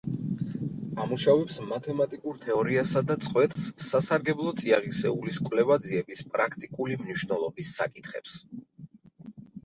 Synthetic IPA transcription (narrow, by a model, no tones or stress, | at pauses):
amuʃavɛpsmat̪ʰɛmat̪ʼikʼuɾt̪ʰɛɔɾiasad̪at̪sʼχʼwɛt̪ʼχsːasaɾɡɛblˠɔt̪sʼiaʁisɛuliskʼwlɛvad̪ziɛbispʼɾakʰt̪ʼikʼulimniʃvnɛlˠɔbisːa̰kʼit̪ʰχɛ̰ps